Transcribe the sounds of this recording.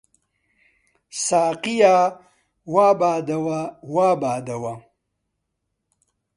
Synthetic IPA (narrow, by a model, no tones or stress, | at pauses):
saːqija | waːbaːd̪awawaːbaːd̪ɐwa